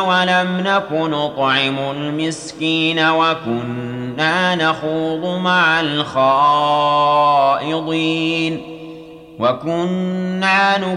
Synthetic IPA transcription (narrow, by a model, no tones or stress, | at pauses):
walamnakʊnʊt̪ˤʕɪmʊlmɪskiːnawakʊnːaːnaxuːðˤʊmaʕalxɑː | ʔɪd̪ˤiːn | wakʊnːaːnʊ